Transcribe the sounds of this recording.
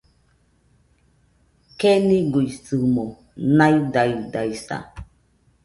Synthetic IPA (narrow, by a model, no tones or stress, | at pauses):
kenĩɡujsɨmo | nãjd̪ajdajsa̰